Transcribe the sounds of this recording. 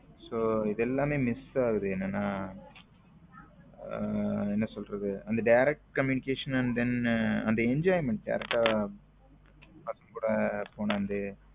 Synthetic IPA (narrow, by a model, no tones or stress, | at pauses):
soːɪðɛlːaːmeːmɪsaːɣɯðɯɛnːɐnːaː | ɛnːɐsɔlɾɐðɯɐnd̪ɐɖɐɪɾɛk̚ʈkɐmjuːnɪkeːʂɐnɐnd̪ɛnɐnd̪ɐɛɲd͡ʒaːɪmɛɳʈ̚ɖɐ̰ɪɾɛk̚ʈaː | pɐsɐmkuːɽɐpoːɳɐʋɐnd̪ɯ